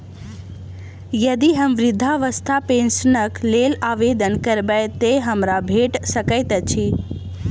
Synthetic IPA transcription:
jəd̪iɦəmʋɾɪd̪ʱːaʋəst̪ʰapẽnsənəklelaːʋed̪ənkəɾbəjt̪eɦəmɾabʱeʈsəkəɪt̪ət͡ʃʰi

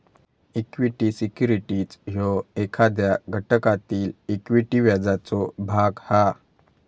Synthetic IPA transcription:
ikʋiʈisikjuɾiʈiːt͡sɦɔekʰad̪jaɡʱəʈəkat̪iːlikʋiʈiʋjad͡zat͡sɔbʱaɡha

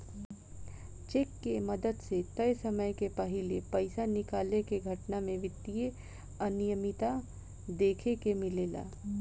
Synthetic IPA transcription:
t͡ʃeːkːemɐd̪əd̪set̪ɐjsɐməjkepɐɦɪlepɐɪsanɪkaːlekeɡʱɐʈnamẽʋɪt̪ːije | ɐnɪjəmɪt̪a | d̪eːkʰekemɪleːla̰ː

